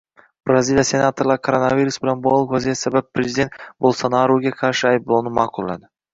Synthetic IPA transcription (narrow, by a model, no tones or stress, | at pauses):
b̥ɾazilʲijase̞nat̪ʰoɾlˠaɾkʰoɾonaviɾusbɪlanbɒlˠɪqvazijat̪sabappʰːɾezɪd̪e̞nt̪bolˠsanaɾoɡʲaqʰɑɾʃɪajblˠonɪmɑqʰʊlˠːa̰d̪ɪ